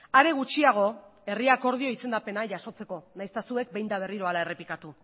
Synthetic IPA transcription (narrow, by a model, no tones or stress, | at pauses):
aɾe̞ɣ̞ut͡ʃiaɣ̞o̞e̞riako̞ɾð̞io̞ise̞nd̪ape̞naʝaso̞t͡se̞ko̞najst̪asue̞k̚be̞jnd̪aβ̞e̞riɾo̞alaere̞pikat̪u